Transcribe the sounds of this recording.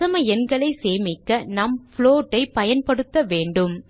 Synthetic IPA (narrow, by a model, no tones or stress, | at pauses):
ɐmɐɛnɡɐɭɐɪseːmɪkːɐnɐmfɭoːʈːɐɪpɐjɐnpɐɽɯt̪ːɐʋeːɳɖɯm